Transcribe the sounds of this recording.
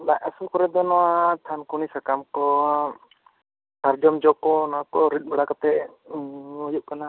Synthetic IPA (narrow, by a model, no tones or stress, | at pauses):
laʔasukɔɾɛd̪ɔnɔwat̪ʰankunisakamkɔ | saɾd͡ʒɔmd͡ʒɔkɔnakɔɾit̪̚ˀbɛɽakat̪ɛ | ɔjup̚kana